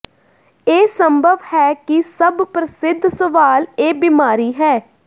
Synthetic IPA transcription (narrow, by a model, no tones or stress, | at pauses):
eːsəmbʱəʋhɛːkɪsəbpɾəsɪd̪ʱsəʋaːleːbɪmaːɾiːɦɛː